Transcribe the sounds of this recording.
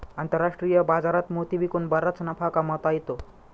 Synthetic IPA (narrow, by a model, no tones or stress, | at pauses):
ant̪əɾaʂʈɾijəbad͡zaɾat̪mot̪ibʱikonbəɾːat͡sənapʰakamət̪ajt̪o